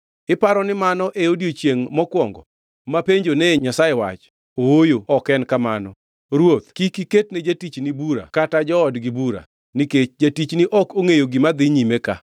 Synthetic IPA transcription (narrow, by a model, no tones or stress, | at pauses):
ɪpaɾɔnɪmanɔʔeodjot͡ʃjeŋmɔkwɔŋɡɔ̰ | mapeɲd͡ʒonɛɲasaewa̰t͡ʃ | oojoɔkɛnkamanɔ | ɾwot̪kikiket̚ned͡ʒatit͡ʃnibuɾa̰katad͡ʒɔːdɡɪbuɾa̰ | niket͡ʃd͡ʒatit͡ʃniʔɔkoŋejoɡɪmad̪ɪɲimeka̰